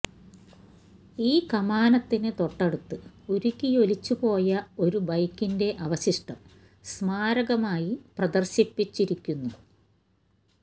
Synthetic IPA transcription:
iːkɐmaːnɐt̪ːinɨt̪o̞ʈːɐɽut̪ːɨuɾikʲːijo̞lit͡ɕːupo̞ːjɐo̞ɾubɐjkːinde̞ʔɐʋɐɕiʂʈɐm | smaːɾɐɣɐmaːjiprɐd̪ɐrɕipːit͡ɕːiɾikʲːunːu

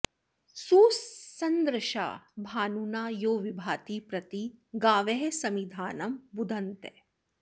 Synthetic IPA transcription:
suːsɐnd̪ɾɐʃa̰ːbʱaːnunaːjoːʋibʱaːt̪ipɾɐt̪iɡaːʋeɦesɐmid̪ʱaːnɐmbud̪ʱɐnt̪e

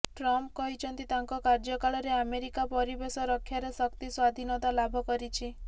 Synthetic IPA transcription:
ʈɾɔmpkɔɦit͡ʃʰɔnt̪it̪aŋkɔkaɾd͡ʒɔkaɭɔɾeameɾikapɔɾibesɔɾɔkʰjaɾesɔkt̪iswad̪ʱinɔt̪alabʱɔkɔɾit͡ʃʰi

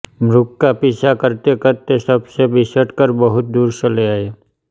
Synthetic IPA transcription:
mɾʊkːapɪsakəɾt̪ekəɾt̪esəbsebɪsəʈkəɾbəɦʊt̪̚d̪uːɾsəleaeː

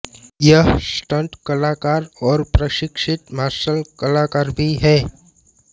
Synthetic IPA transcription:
jəɦsʈə̃ɳʈkəlaːkaːɾɔːɾpɾəʃɪkʂɪt̪maːsəlkəlaːkaːɾbʱiɦɛː

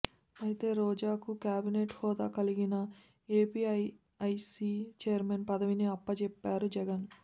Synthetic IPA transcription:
ɐjit̪e̞ːɾɔːd͡ʒaːkukjaːbineːʈhɔːd̪a̰ːkɐliɡinɐ | eːpiɐj | ɐjsiːt͡ʃejɐɾmenpɐd̪ɐʋiniɐpːɐt͡ʃɛpːaːɾud͡ʒɛɡɐn

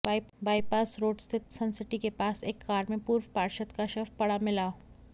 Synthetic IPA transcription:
baːɪpaːsɾoːɖst̪ʰɪt̪sɐ̃nsɪʈikepaːseːkːaːɾmẽpuːɾwpaːɾʃət̪kaʃəfpɐɽamɪlaː

